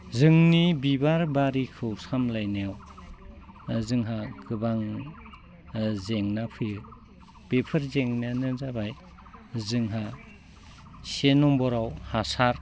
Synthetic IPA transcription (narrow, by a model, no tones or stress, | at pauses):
zɯŋnibibaɾbaɾikʰɯwsamlajneaw | zɯŋɦaɡɯbaŋ | zeŋnapʰɯjɯ | b̥epʰɯɾzeŋnanɯzabaj | zɯŋɦa | senɔmbɔɾawhasaɾ